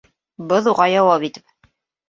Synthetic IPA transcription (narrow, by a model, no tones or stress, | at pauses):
bɤðuʁɑjɑwɑpit̪ɘp̚